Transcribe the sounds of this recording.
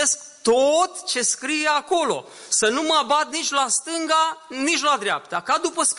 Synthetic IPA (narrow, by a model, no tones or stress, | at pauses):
esk | t̪ot̪t͡ʃe̞skɾijeako̞lo̞̰ | sənuməabat̪̚nit͡ʃlast̪ɨŋɡanit͡ʃʲlad̪ɾea̰p̚t̪akad̪upəsk